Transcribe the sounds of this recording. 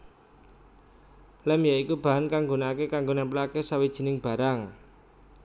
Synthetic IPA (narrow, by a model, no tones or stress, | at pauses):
lɛmjaikub̥a̤ɦankaŋɡonakekaŋɡonɛmplakesawid̥ʒ̥i̤nɪŋb̥a̤ɾaŋ